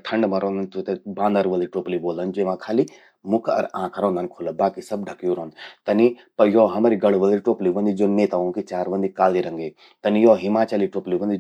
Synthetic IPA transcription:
ʈʰɐɳɖmɐɾɔ̃ːnd̪ɐnt̪ʰut̪ebãːnd̪əɾʋɐlɾiʈoːpliboːlənd͡ʒoːʋãkʰaːli | mʊkʰɐ̰ɾãːkʰɾɔ̃ːnd̪ənkʰoːləbaːkisɐb̚ɖʱɐkjoːɾɔ̃ːnt̪ɐnipɐjɔɦɐmaɾiɡɐɽʋɐlɾiʈoːpliʋɐ̃nd̪id͡ʒoːnːeːt̪aõkit͡ʃaːɾʋɐ̃nd̪ikaːliɾɐ̃ŋɡe | t̪ɐnijɔːɦimaːt͡ʃaːliʈoːpliʋɐ̃nd̪i

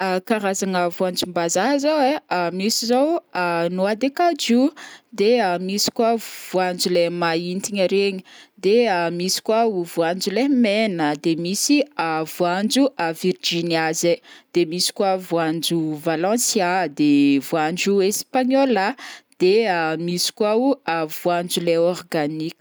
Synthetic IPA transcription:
akaɾazaŋəvuand͡ʒumbazaɦzawemisizowanuad̪ekad͡ʒud̪eamisi̥kwav̥uand͡ʒulemaint̪iɲəɾeɲi̥d̪eamisi̥kwauvuand͡ʒulemenəd̪emisiavuand͡ʒuavird͡ʒiniazed̪̥emisi̥kwavuand͡ʒuvalɑ̃sjad̪evuand͡ʒuespaɲɔlad̪̥eamisi̥kwauavuand͡ʒuleɔrɡanikʲə̥

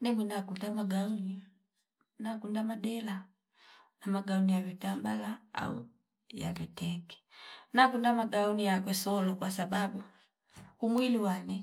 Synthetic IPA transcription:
nɛmwinakundamaɡauni | nakundamaɗɛla | namaɡaunijavitambalaa̰ṵ | ja̰vitɛkɛ̥nakundamaɡaunijak̬wɛsɔlɔkwasababu | umwiliwanɛ

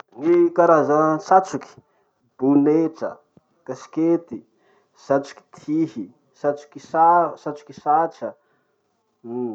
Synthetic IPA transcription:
nikaɾazəsat͡suki̥ | b̥uneʈ͡ʂə̰ | kasi̥ket̪i | sat͡su̥ki̥t̪ʰihi | sat͡su̥kisasat͡su̥kisat͡ʃə

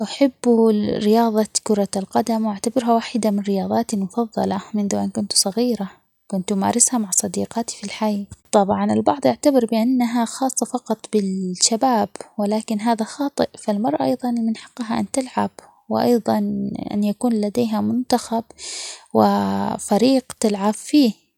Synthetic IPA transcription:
ʔaħɪbːuɾɪjɑːðˤɑkʊɾˤɑlqɑd̪amwʔaʕt̪abɪɾɦawaːħɪd̪amɪnɾɪjɑːðˤɑːt̪imʊfɑðˤːɑ̰lɑmɪnðuʔankʊnt̪sˤɑɣiːɾa | kʊnt̪ma̰ːɾˤɪshamaʕsˤɑd̪ḭːqɑːt̪i̥filħajt̪ˤɑbʕɑnɪ̰lbɑʕd̪ˤʔaʕt̪abɪɾbɪʔanːaɦaxɑːsˤːɑfɑqɑt̪ˤbɪlʃabaːbwɪlaːkɪnɦaːðaxɑːt̪ˤɨʔfalmɑɾˤʔʔɑjðˤɑnɪlmɪnħɑ̥qːɦaʔa̰nt̪ɪlʕa̰b | wɪ̰ʔɑ̰jðˤɑnʔa̰njakuːnlad̪eːɦamʊnt̪axabwɪ̰faɾiːqt̪ɪlʕabfiː

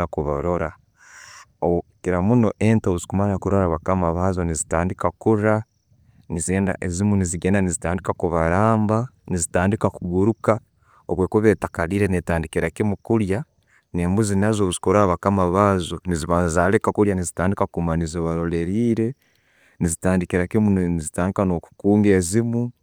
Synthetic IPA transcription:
akuβa̰ɾo̞ɾa | oukiɾamuno̞ʔentaβuzikumanɾakuɾoɾaβakamaβazo̞nizitaːndikakuɾa | nizieːnda̰ʔezimuniziɡeːndanizitaːndikakuβaɾaːmba | nizitaːndikakuɡuɾuka | oβweːkoβe̞ːtakaliːɾenetaːndikiɾakimukuɾja | neːmbuzinazoβuzi̥koɾaaβakamaβazo̞niziβaːzazalekakuɾjanizitaːndikakumaniziβaɾo̞le̞ɾiːɾe̞ | nizitaːndikiɾakimunizitaːndikano̞ku̥kuːŋɡe̞ːzimu

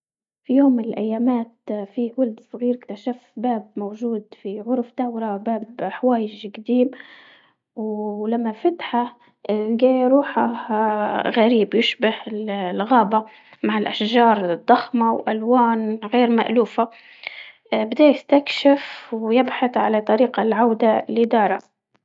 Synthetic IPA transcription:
fijoːmːɪnɪlʔajːaːmaːt̪fiwʊld̪sˤɣiːɾɪkt̪aʃafbaːb̚mowʒuːd̪fiʕʊɾˤfd̪awɾabaːbħawaːjɪʒɡad̪iːm | wlamːafat̪ħa | ɡaːjɾˤuːħahɣaɾiːbjɪʃbahɪllɣaːba | maʕɪlʔaʃʒɑːɾˤd̪ˤːɑxmawʔalwaːnɣeːɾma̰ʔluːfa | bɪd̪aːjɪst̪akʃɪfwjɪbħaθʕalat̪ˤɑɾiːqɑlʕawd̪alɪd̪ɑːɾˤɑ

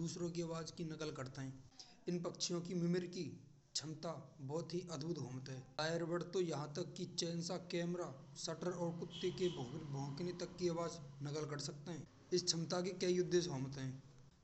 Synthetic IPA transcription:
uːsɾõk̬iɐʋaːd͡ʒkinɐkəlkəɾt̪eɦɛ̃ː | ɪnpɐkʃʰijõkimɪmɪɾki | t͡ʃʰɐmt̪abɔːt̪ɦiʔɐd̪bʊt̪ɦoːmət̪ɦɛ̃ːaːjəɾbəɽt̪ojɐɦãt̪ɐkːit͡ʃɛːnsakɛːmɾasɐʈəɾɔːɾkʊt̪ːekebʱkbʱɔ̃ːknet̪ɐkːiɐʋaːd͡ʒnɐkəlkəɾsɐk̚t̪eɦɛ̃ː | ɪst͡ʃʰɐmt̪akikɐijʊd̪ʱːesɦoːmət̪ɦɛ̃ː

